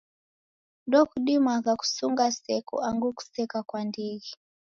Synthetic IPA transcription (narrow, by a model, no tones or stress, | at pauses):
ndɔkuɗimwakaku̥suŋɡasɛkɔ̰aŋɡuku̥sɛkakwandiɣi